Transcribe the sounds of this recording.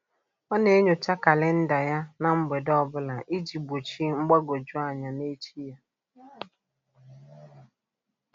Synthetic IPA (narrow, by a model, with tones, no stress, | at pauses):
ɔ˦ne˨˦e˦ɲo˨t͡ʃa˦ka˨le˦n̩˦da˨ja˦na˨ŋ͡m̩˦ɡ͡be˨dɔ˦˨bʊ˦la˨ʔi˦d͡ʒi˨bo˨t͡ʃi˦ŋ͡m̩˦ɡ͡ba˦ɡo˨d͡ʒu˦a˨ɲa˨ne˦t͡ʃi˦ja˦